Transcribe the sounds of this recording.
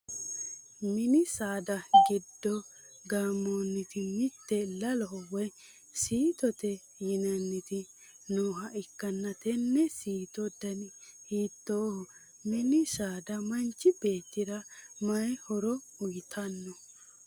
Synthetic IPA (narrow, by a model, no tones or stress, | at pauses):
mɪnɪsaːd̪ɐɡɪd̪ːɔ | ɡamːoːnːɪt̪ɪmɪt̪ːɛlɐlɔɔwɔj | siːt̪ɔt̪ɛ | jɪnɐnːɪt̪ɪ | noːɦɐʔɪkːɐnːɐt̪ɛnːɛsiːt̪ɔd̪ɐnɪhiːt̪ːoːhɔ | mɪnɪsaːd̪ɐmɐnt͡ʃːɪbe̞ːt̪ːɪd̪ɐmɐjhɔɾɔʊjɪt̪ʰɐnːɔ